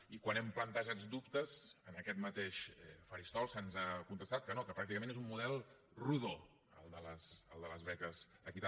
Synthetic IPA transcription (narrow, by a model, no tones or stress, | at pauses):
ikwanɛmplənt̪əʒad͡zd̪upt̪əzənəkɛt̪mət̪eʃɛfəɾist̪ɔlˠsənzakunt̪əst̪at̪̚kənokəpɾakt̪ikəmẽnezummuðɛlˠ | ruðo | ə̰lˠd̪ələsəlˠd̪ələzβɛkəz | əkit̪